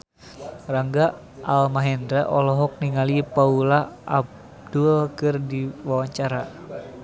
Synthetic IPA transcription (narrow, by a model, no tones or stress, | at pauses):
raŋɡa | almaɦɛndɾɛʔɔlɔɦɔk̚niŋalipaulaʔab | duakɨrdiwawaɲt͡ʃaɾa